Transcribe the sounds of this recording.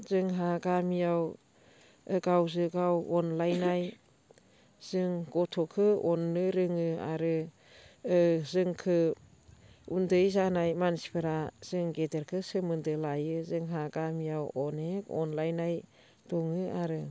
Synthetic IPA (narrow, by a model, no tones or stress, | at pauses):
zɯŋɦaɡamijaw | ɯɡawzɯɡawɔnlajnaj | z̥ɯŋɡɔtʰɔkʰɯɔnːɯɾɯŋɯa̰ɾɯː | zɯŋkʰɯ | undɯjzanajmansi̥pʰɯɾaz̥ɯŋɡedeɾkʰɯsɯmɯndɯlajɯzɯŋɦaɡamijawɔnekɔ̰nlajnaj | d̥ɔŋɯaɾɯ